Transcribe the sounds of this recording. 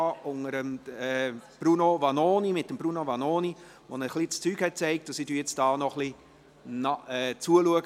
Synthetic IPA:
ɑʊŋəɾəmɛb̥runovɑnoːnimɪtdəmbrunovɑnoːni | ʋonəχlit͡st͡syːɡhɛt̚t͡sɛɪk̚t̚d̥ɑsidyːjɛt͡sd̥ɑːnɔχli | nɑɛːt͡suəluəɡ

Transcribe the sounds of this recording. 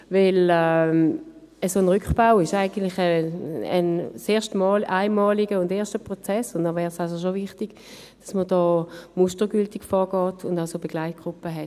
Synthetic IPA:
vɪlɛm | əsoːnʁʏkb̥aʊɪʃaɪɡən̩tlɪχəə̰nseːɐʃtmɔlaɪnmɑːliɡəʊndeːɐʃtəpʁot͡sɛsʊntdɔvɛːʁsals̬oʃ̬ovɪχtiɡ̥ | d̥asməd̥ɔːmustəɡyltɪɡfɔːɐɡɔːtʰʊndaʊsobeɡ̥laɪt̚ɡ̥ʁʊpːəɦɛt

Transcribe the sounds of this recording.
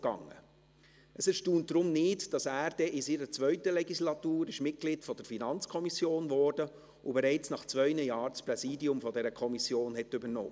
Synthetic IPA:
ɡ̥ɑ̰ŋːə̰ | ʔəsɪʃtuːnt̚d̥ɾʊmnɪːtd̥ɑsæːɾdɛʔɪsiːɾət͡sʋœʏtəlɛɡislɑtuːɾɪʃmɪt̚ɡ̥lɪtfɔd̥əɾfinɑnt͡skʰɔmisjoːnvɔːɾd̥ə | ʊbɛɾɛɪt͡snɑχt͡sʋœʏnəjɑːɾt͡spɾɛsiːdiʊmfɔdɛɾəkʰɔmisjoːnɦɛtʏbəɾno̰ː

